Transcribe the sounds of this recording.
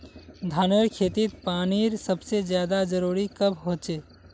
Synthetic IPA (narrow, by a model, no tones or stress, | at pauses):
d̪ʱaːnəɾkʰeːt̪it̪̚paːniɾsəbsed͡ʒjaːd̪ad͡ʒəɾuːɾikəbɦoːt͡ʃeː